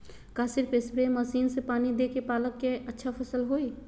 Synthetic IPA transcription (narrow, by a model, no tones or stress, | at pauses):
kaːsɪɾpeːsbeməsiːnsepaːnid̪eːkepaːləkːeətːʃʰapʰəsəlɦoːi